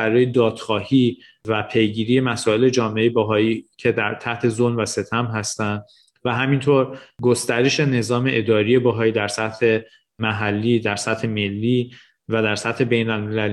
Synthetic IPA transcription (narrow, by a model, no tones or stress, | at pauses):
æɾɒːje̞d̪ɒːd̪̥xɒːhiː | væpʰe̞jɡiːɾije̞mæsɒːe̞le̞d͡ʒɒːmeejebɒɦɒːiːcʰe̞d̪æɾt̪ʰæht̪ʰe̞zolmvæse̞t̪ʰæmɦæst̪ænd̪ | væɦæmint̪ʰoɾɡost̪æɾe̞ʃe̞ne̞zɒːme̞ʔed̪ɒːɾije̞bɒɦɒːiːd̪æɾsæt̪he̞ | mæɦælːiːd̪æɾsæt̪he̞me̞lːiː | væd̪æɾsæt̪he̞be̞jnælme̞læli